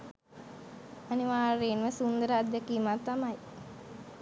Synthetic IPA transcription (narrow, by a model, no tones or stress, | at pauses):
aniʋaːɾeːnʋəsund̪əɾəad̪ːekiːmat̪ːamaj